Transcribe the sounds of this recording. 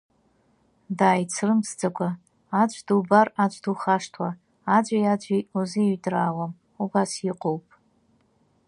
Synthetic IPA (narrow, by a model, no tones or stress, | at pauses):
daːjt͡sʰrɨmsd͡zakʷʰaː | t͡ʃʷʰʼdubarat͡ʃʷʼduχaʂtʰwa | ad͡ʒʷʼajad͡ʒʷʼiuziɥdʼraːwam | ubasjiqʼowpʼ